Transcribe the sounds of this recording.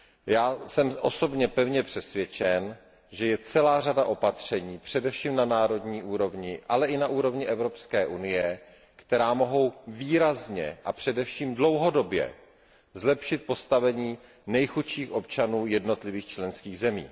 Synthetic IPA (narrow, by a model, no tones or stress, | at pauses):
jaːsɛmʔo̞so̞bɲɛpɛvɲɛpr̥ɛsvjɛt͡ʃɛn | ʒɛjɛt͡sɛlaːradaʔo̞pat̪r̝̥ɛɲiːpr̝̥ɛdɛfʃiːmnanaːɾo̞dɲiːʔuːɾo̞vɲɪʔalɛʔɪnaʔuːɾo̞vɲɪʔɛvɾo̞pskɛːʔunɪjɛ | kt̪ɛɾaːmo̞ɦo̞wviːɾazɲɛ̰ʔapr̥ɛdɛfʃiːmdlo̞wɦo̞do̞bjɛ̰ | zlɛpʃɪt̪̚po̞st̪avɛɲiː | nɛjxutʃiːxʔo̞pt͡ʃanuːjɛdno̞t̪lɪviːxt͡ʃlɛnskiːɣzɛmḭː